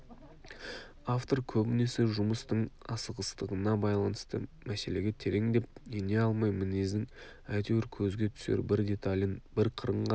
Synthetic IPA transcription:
aft̪o̞ɾkʲʰɵbɪne̞sɪʒʊməst̪əɴɑsəʁəst̪əʁənɑbɑjlˠɑnəst̪ə̰mæse̞le̞ɡʲet̪ʰe̞ɾe̞ŋd̪e̞p̚ene̞ɑlˠmɑjmɪnezd̪ɪŋ | æjt̪ewɪɾkʲʰɵzɡʲe̞t̪ʰʏ̥seɾbɪɾd̪e̞t̪alʲənbɪɾqʰəɾəɴʁɑ

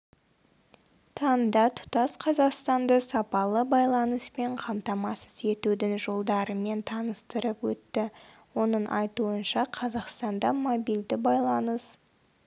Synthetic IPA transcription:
t̪ʰɑnd̪ɑt̪ʰʊ̥t̪ɑsqʰɑzɑqst̪ɑnd̪əsɑpɑlˠəbɑjlˠɑnəspe̞ɴqʰɑmt̪ɑmɑsəze̞t̪ud̪ɪŋʒo̞lˠd̪ɑɾəme̞nt̪ʰɑnəst̪əɾəpwɵt̪ːɪ | wo̞nəɴʔɑ̰jt̪uənʃɑqʰɑzɑqst̪ɑnd̪ɑmobijld̪ɪbɑjlˠɑnəs

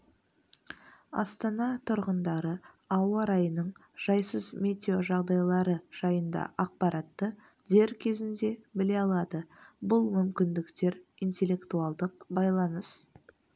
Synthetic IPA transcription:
ɑ̰st̪ɑnɑt̪ʰʊɾʁənd̪ɑɾə | ɑwɑɾɑjənəɴ | ʒ̥ɑjsəzmʲed̪ʲo̞ʒɑʁd̪ɑjlˠɑɾəʒ̥ɑjənd̪ɑ̰ʔɑq̚pɑɾɑt̪ːə | d̪e̞ɾkʲʰe̞zɪnd̪e̞bɪle̞ɑlˠɑd̪əbʊlˠmʏmkʲɪnd̪ɪkt̪e̞ɾijnt̪e̞lːe̞kt̪uɑlˠd̪əq̚bɑjlˠɑnəs

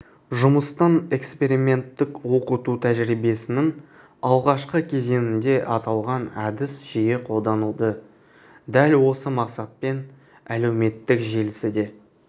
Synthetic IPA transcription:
ʒʊməst̪ɑne̞kspe̞ɾime̞nt̪ːɪkwo̞qət̪ut̪ʰæʒɾijbe̞sɪnɪŋ | ɑlˠʁɑʃqəkʲʰe̞ze̞nɪnd̪e̞ʔɑt̪ɑlˠʁɑnæd̪ɪsʒ̥ije̞qʰo̞lˠd̪ɑnəlˠd̪ə | d̪ælwo̞səmɑqsɑt̪̚pe̞n | æle̞wme̞t̪ːɪkʒelɪsɪd̪e̞

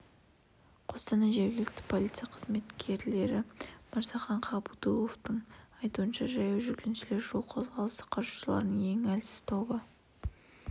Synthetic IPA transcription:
qʰo̞st̪ɑnɑʒe̞ɾɡʲɪlɪk̚t̪ɪ̥pʰo̞lʲijt̪sɨjaqʰəzme̞t̪kʲʰe̞ɾle̞ɾɪmɑɾz̥ɑχɑɴqʰɑbud̪ulˠo̞ft̪əɴɑjt̪uənʃɑʒɑjɑwʒʏɾkʲʰenʃɪle̞ɾʒo̞lˠqʰozʁɑlˠəst̪ə̥qʰɑɾʒu̥ʃəlˠɑ̰ɾənəɴe̞ŋælsɪ̥z̥t̪ʰo̞bə

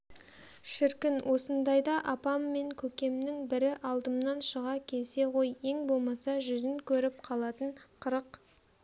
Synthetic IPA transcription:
ʃɪɾkʲɪnwʔo̞sənd̪ɑjd̪ɑʔɑpɑmːe̞ŋkʲʰɵkʲe̞mnɪŋbɪɾɪʔɑlˠd̪əmnɑnʃəʁɑkʲʰe̞lse̞ʁo̞je̞ŋbo̞lˠmɑsɑʒʏzɪŋkʲʰɵɾɪp̚qʰɑlˠɑt̪əɴqʰəɾəq

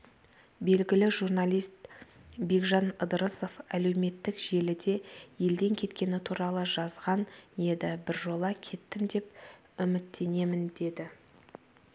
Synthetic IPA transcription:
be̞lɡʲɪlɪʒurnɑlʲijst̪be̞kʒɑnəd̪əɾəso̞fæle̞wme̞t̪ːɪkʒe̞lɪd̪e̞je̞ld̪e̞ŋkʲʰe̞t̪kʲe̞nɪt̪ʰuɾɑlˠəʒɑzʁɑnje̞d̪ɪbɪɾʒo̞lˠɑkʲʰe̞t̪ːɪmd̪e̞p̚ | ʏmɪt̪ːe̞ne̞mɪnd̪e̞d̪ɪ

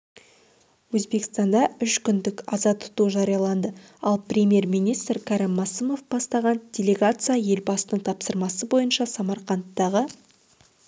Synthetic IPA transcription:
wɵzbe̞kɪst̪ɑnd̪ɑʏʃkʲʏnd̪ɪkɑzɑt̪ʰʊ̥t̪uʒɑɾijɑlˠɑnd̪ə | ɑlˠprʲe̞mʲje̞ɾmijnijst̪ɾkʰɑɾɪmːɑsəmo̞fb̥ɑst̪ɑʁɑnd̥̪ʲe̞lʲe̞ɡat̪sɨjaje̞lbɑsənəɴt̪ʰɑpsəɾmɑsəbo̞jənʃɑsɑmɑɾqɑnt̪ːɑʁə

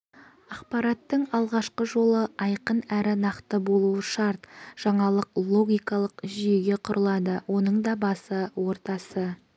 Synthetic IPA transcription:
ɑqpɑɾɑt̪ːəɴɑlˠʁɑʃqəʒo̞lˠəɑjqənæɾɪnɑqt̪əbo̞lˠuəʃɑɾt̪ʒ̥ɑɴɑlˠəqlˠo̞ɡʲijkɑlˠəqʒije̞ɡʲe̞qʰʊɾʔəlˠɑd̪əwo̞nəɴd̪ɑbɑsəwo̞ɾt̪ɑsə

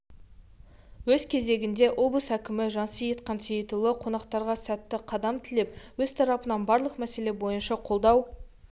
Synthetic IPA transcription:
wɵzkʲʰe̞ze̞ɡʲɪnd̪e̞ʔo̞blˠəsækʲɪmɪʒɑnsəjet̪qɑnsejt̪ʊlˠəqʰo̞nɑqt̪ɑɾʁɑsæt̪ːɪqʰɑd̪ɑmt̪ʰɪlepwɵzt̪ʰɑɾɑpənɑnbɑɾlˠəqmæse̞le̞bo̞jənʃɑqʰo̞lˠd̪ɑw

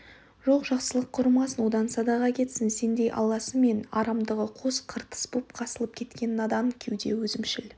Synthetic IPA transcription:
ʒoqʒɑqsəlˠəqqʰːʊɾmɑsənwo̞d̪ɑnsɑd̪ɑʁɑkʲʰe̞t̪sɪnse̞nd̪e̞jʔɑ̰lˠɑsəme̞nɑɾɑmd̪əʁəqʰo̞sqʰəɾt̪ə̥sbupqʰɑsəlˠəp̚kʲʰe̞t̪kʲe̞nɪɑd̪ɑmkʲʰewd̪e̞wɵzɪmʃɪl

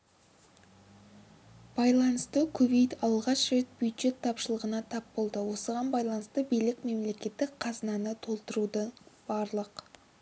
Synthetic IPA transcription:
b̥ɑjlˠɑnəst̪əkʲʰɵvejt̪ɑlˠʁɑʃet̪̚bjud̪ʒe̞t̪ʰːɑpʃəlˠəʁənɑt̪ʰɑpbo̞lˠd̪əwo̞səʁɑnbɑjlˠɑnəst̪əbijlɪkme̞mle̞kʲe̞t̪ːɪkqʰɑzənɑnət̪ʰo̞lˠt̪əɾud̪əb̥ɑɾlˠəq

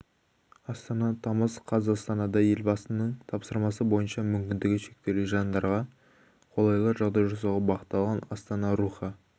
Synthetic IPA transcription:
ɑst̪ɑnɑt̪ʰɑməzqʰɑzɑst̪ɑnɑd̪ɑje̞lbɑsənəɴt̪ʰɑpsəɾmɑsəbo̞jənʃɑmʏmkʲɪnd̪ɪɡʲɪʃe̞k̚t̪e̞luʒɑnd̪ɑɾʁɑ | qʰo̞lˠɑjlˠɑʒɑʁd̪ɑjʒoɾsɑʁɑbɑqət̪ːɑlˠʁɑnɑst̪ɑnɑɾuχɑ

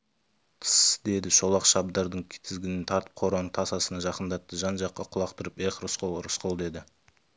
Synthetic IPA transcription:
t̪ʰə̥sd̪e̞d̪ɪʃo̞lˠɑqʃɑbd̪ɑɾd̪əɴkʲʰɪ̥t̪ʰɪzɡʲɪnɪnt̪ʰɑɾt̪ə̥p̚qʰo̞ɾɑnəɴt̪ʰɑsɑsənɑʒɑqənd̪ɑt̪ːəʒɑnʒɑqːɑqʰʊlˠɑqt̪əɾəpeqrʊsqəlˠɾʊsqolˠd̪e̞d̪ɪ

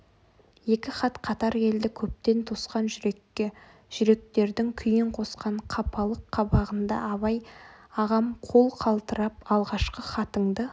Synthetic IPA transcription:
je̞kʲɪχɑt̪qʰɑt̪ɑɾe̞ld̪ɪkʲʰɵp̚t̪e̞nt̪ʰosqɑnʒʏɾe̞kʲːɪ | ʒ̥ʏɾe̞k̚t̪e̞ɾd̪ɪŋkʲʰʏjɪɴqʰo̞sqɑɴqʰɑpʰɑlˠəqʰːɑbɑʁənd̪ɑ̰ɑβɑjɑʁɑmqʰo̞lˠqʰɑlˠt̪əɾɑp̚ɑlˠʁɑʃqəχɑt̪əɴd̪ə

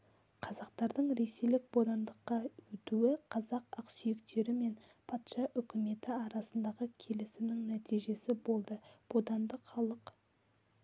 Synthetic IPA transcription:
qʰɑzɑq̚t̪ɑɾd̪əɴɾe̞se̞jlɪk̚bo̞d̪ɑnd̪əqːɑwɵt̪uwɪqʰɑzɑqɑqsʏjɪkt̪e̞ɾɪme̞npʰɑt̪ʃɑʔʏkʲɪme̞t̪ɪɑɾɑsənd̪ɑʁəkʲʰe̞lɪsɪmnɪŋnæt̪ijʒe̞sɪbo̞lˠd̪əb̥o̞d̪ɑnd̪əqχɑlˠəq

